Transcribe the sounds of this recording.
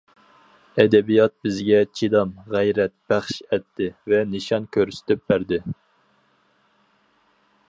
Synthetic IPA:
ɛd̪ɛbijɑt̪̚bɪzɡʲɛt͡ʃʰid̪ɑmʁæjɾɛt̪̚b̥æχʃɛt̪ʰːɪvɛnɨʃɑnkʲʰøɾsy̥t̪ʰyp̚bæɾd̪ɪ

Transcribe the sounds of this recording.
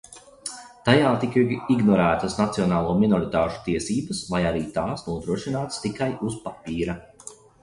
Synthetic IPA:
t̪ajaːt̪ikiɡnɔɾæːt̪ɐsnat̪siɔnaːlˠuɔminɔɾit̪aːʃu̥t̪iɛsiːbəsvajaɾiːt̪aːsnuɔd̪ɾuɔʃinaːt̪st̪ikajuspapiːɾɐ

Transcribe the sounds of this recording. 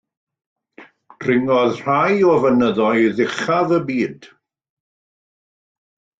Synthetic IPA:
d̥rɪŋɔðr̥ajɔvənəðɔɨðɪχaðəbiːd̥

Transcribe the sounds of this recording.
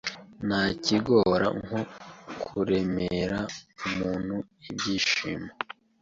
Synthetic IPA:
naːciɡo̞ːɾa̰ŋokʰuɾe̞meɾaumuːn̥huibɟiːʃḭma

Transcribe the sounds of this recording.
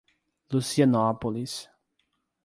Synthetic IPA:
lusianɔpolis

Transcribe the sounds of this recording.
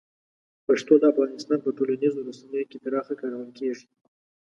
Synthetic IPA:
paʂt̪od̪əafɣɑnɪst̪ɑnpəʈolanizoɾasanəjokep̪aɾɑxakɑɾawəlkeʐi̥

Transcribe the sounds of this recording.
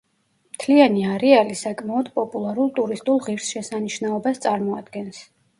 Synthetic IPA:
mt̪ʰlianiaɾɛalisakʼmaɔd̪pʼɔpʼulˠaɾulˠt̪ʼuɾist̪ʼulˠʁiɾsʃɛsaniʃnaɔbast̪sʼaɾmɔad̪̥ɡɛns

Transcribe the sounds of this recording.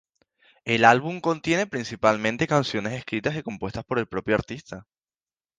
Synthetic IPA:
e̞lalβumko̞nt̪je̞ne̞pɾinsipalmẽnt̪e̞kansjo̞ne̞se̞skɾit̪asiko̞mpwe̞st̪aspo̞ɾe̞lpɾo̞pjoaɾt̪ist̪a

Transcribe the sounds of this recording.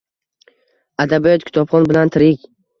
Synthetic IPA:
ad̪abijɒt̪kʰʲɪ̥t̪ʰɒbχɒnbɪlant̪ʰɪɾɪkʲ

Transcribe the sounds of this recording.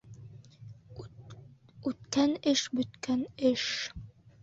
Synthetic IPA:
ʉt̪kænɘʃbɵ̆t̪kænɘʃ

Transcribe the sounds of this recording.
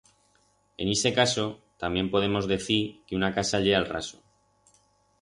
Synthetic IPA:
e̞̰nese̞kaso̞t̪ambje̞mpo̞ð̞e̞mo̞zðe̞θiɾkeunakasaʎeɣalra̰so

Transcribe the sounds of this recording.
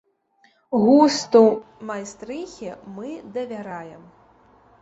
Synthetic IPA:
ɣust̪u | majst̪ɾɨxʲimɨd̪ɐvʲaɾajɛm

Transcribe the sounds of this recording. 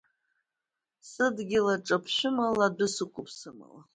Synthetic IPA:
sɨdɡʲɪlaʈ͡ʂʼapʰʃʷᶣʊmaladɨsɨkʷʼʊpʰsɨma̰la

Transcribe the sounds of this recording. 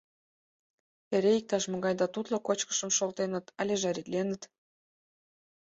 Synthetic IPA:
eɾeik̚t̪ɑʃmə̆ɣɑjd̪ɑt̪ut̪lokot͡ɕkə̥ʃə̆mʃolt̪enə̆t̪ɑlʲeʒɑɾit̪lenə̆t̪

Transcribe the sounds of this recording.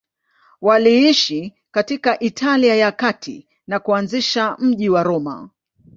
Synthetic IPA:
waliiʃi | katikaʔitʰaliajakatʰḭ | nakuanziʃam̩ʄiwaɾɔma̰

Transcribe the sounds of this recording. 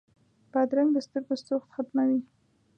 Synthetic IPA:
b̥ad̪ɾaŋd̪əst̪əɾɡost̪oxt̪xat̪mawi

